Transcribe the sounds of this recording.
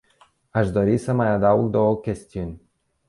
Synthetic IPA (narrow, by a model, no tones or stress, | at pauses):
aʃd̪o̞ɾisəmajad̪auɡd̪owəkʲe̞st̪iunʲ